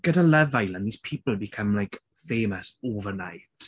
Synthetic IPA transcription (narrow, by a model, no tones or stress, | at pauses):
ɡ̥ədalɛvajlənðiːspʰiːpəl̩ˠbikʰəmlajk | feːməsoːvəɹna̰jt